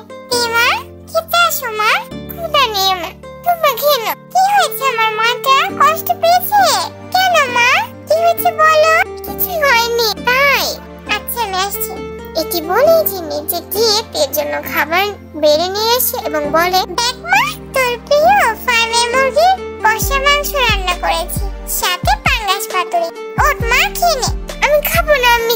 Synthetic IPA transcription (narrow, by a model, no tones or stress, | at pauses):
t̪imaɾ | kit̪aʃomaɾkʰud̪animat̪ubaɡʱenok̪iɦekemaɾmakakɔʃʈopeet͡ʃʰe | kɛnomakimĩkʰebɔlokit͡ʃʰeɦɔjnit̪aj | att͡ʃʰemɛʃt͡ʃʰi | eʈibɔled͡ʑenid͡ʑekiep̪eɾd͡ʑonːokʰabaɾ | beɾenieʃeʔeboŋbɔlebɛk̚mat̪oɾpɾiofamemoɾɡiɾpɔʃemaŋʃoɾannakoɾet͡ɕʰiʃat̪epaŋɡaʃkat̪oɾi | oʈmakʰineamikʰabonami